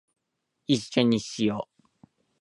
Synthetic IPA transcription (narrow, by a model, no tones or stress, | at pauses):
iɕːo̞ɲ̟iɕijoː